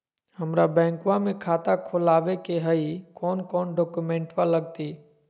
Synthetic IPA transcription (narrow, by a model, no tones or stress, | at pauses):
həmɾabɛ̃ːŋkwãmẽkʰaːt̪akʰʊlaːʋekeɦəikɔːnkɔːnɖɔːkumẽːɳʈʋaləɡ̚t̪iː